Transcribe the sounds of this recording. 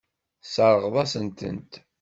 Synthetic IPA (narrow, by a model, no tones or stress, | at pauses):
səɾˤəʁðˤɑsənt̪ə̰nt̪